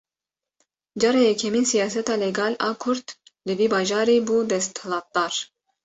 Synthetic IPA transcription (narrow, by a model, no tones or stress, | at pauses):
d͡ʒɑɾejɛkʰɛmiːnsijɑːsɛt̪ɑːlɛɡɑːlɑːkʰʊɾt̪lɨbiːbɑːʒɑːɾibuːd̪ɛst̪hlɑːt̪̚d̪̥ɑːɾ